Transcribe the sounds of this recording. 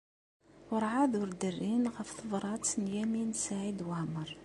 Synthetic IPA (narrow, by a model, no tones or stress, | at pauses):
wəɾˤʕaðʊɾd̪ərːinɣəfθəvɾˤɑt̪sənjæminsaʕid̪wəʕməɾˤ